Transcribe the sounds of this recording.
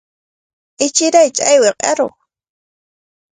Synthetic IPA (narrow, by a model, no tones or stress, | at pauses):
ɪt͡ʃɪɾajt͡ʃʼajweqʼeɾʊ̰